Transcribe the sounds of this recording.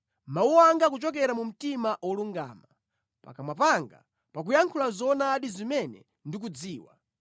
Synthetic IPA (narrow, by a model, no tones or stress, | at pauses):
mauɔaŋɡak̬ut͡ʃɔk̬ɛɾamum̩timaʔwɔluŋɡa̰ːma | pa̰kamwapaŋɡa̰ | pak̬ujaŋkʰulazɔnaːɗizimɛnɛ̰ | ndik̬ud͡ziːwa̰